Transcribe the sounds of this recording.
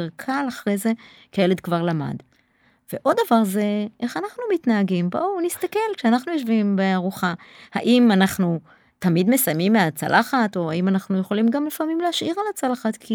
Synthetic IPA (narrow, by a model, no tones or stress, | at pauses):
ʁkʰalaχʁe̞jze̞ | kejele̞d̪kvaʁlama̰d | v̥e̞ʔo̞d̪davaʁze̞ʔeχanaχnumit̪naaɡimbonist̪ake̞lkʃeanaχnujo̞ʃvimbeaʁuχaha̰ʔimanaχnu | t̪amid̪me̞sajmimːeat͡sa̰lʔaχato̞haimanaχnujeχo̞limɡamlifamimleaʃʔiʁalat͡salaχat̪kʰi